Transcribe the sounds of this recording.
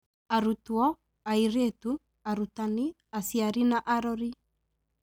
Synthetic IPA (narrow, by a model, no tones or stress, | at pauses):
aɾut̪uɔ | aiɾet̪u | aɾut̪ani | asiaɾinaʔaɾɔɾi